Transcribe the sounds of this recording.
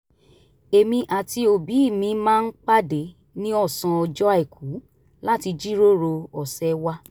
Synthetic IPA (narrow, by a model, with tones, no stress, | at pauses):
e˨mĩ˧ʔa˨ti˧o˨bi˨˦i˦˨mĩ˧mãː˦n̩˦k͡pa˦de˨˦ | nĩ˦ɔ˦˨sã˧ɔ˧d͡ʒɔ˦a˦e˨kʰu˨˦ | la˦ti˧d͡ʒi˦ɾo˦ɾo˧ɔ˨sɛ˨˦wa˦